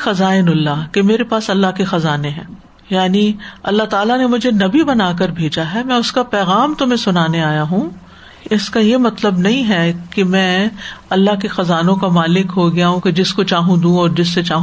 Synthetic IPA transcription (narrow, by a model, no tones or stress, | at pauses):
xɐzaːɪnʊlːakemeːɾepaːsɐlːaɦkexɐzaːneɦɛ̰̃ː | jaːniɐlːaɦt̪aːlanemʊd͡ʒʱenɐbibɐnaːk̬ɐɾbʱeːd͡ʒaɦɛmɛ̃ːʊskapɛːɣaːmt̪ʊmẽsʊnaːneaːjaɦũː | ɪskajemɐt̪ləbnɐɦĩɦɛkemɛ̃ːɐlːaɦkexɐzaːnõkamaːlɪkɦoɡɪjaɦũked͡ʒɪskot͡ʃaːɦũd̪ũːɔːɾd͡ʒɪsːet͡ʃaːɦ